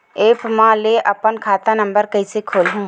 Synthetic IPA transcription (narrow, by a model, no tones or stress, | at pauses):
eːpmãleʔəpənkʰaːt̪ãnə̃mbəɾkəɪsekʰoːlɦũː